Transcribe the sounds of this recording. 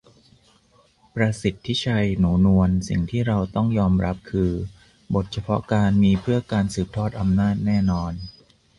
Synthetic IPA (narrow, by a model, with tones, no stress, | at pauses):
pɾaː˧si˨˩t̪ʰːi˦˥˩t͡ɕʰa˧jnuː˩˦nu˧ənsḭ˨˩ŋt̪ʰiː˥˩ɾa˧wt̪ɔ˥˩ŋjɔː˧mɾa˦˥p̚kʰɯː˧ | bo˨˩t̪̚t͡ɕʰa˧pʰɔ̰˦˥kaː˧nmiː˧pʰɯ˥˩ɐkaː˧nsɯː˨˩p̚t̪ʰɔː˥˩t̪̚ʔa˧mnaː˥˩t̪̚nɛː˥˩nɔː˧n